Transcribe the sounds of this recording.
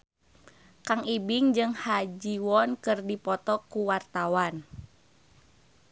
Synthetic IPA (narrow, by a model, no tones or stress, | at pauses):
kaŋibiŋd͡ʒɨŋhad͡ʒiwɔnkɨrdipɔt̪ɔkuwart̪awan